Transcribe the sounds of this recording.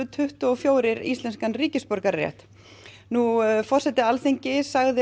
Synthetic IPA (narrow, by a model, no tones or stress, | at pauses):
ʏt̪ʰʏht̪ʏɔfjoːwɾɪɾḭst̪lɛnskanriːcɪspɔɾkaɾːɛ̰ht̪ | nufɔr̥sɛt̪ɪalθiɲcɪsaɣðɪ